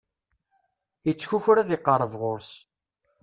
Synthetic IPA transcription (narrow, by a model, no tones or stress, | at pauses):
it͡sːçuçɾæðɪqːəɾˤəvʁoɾs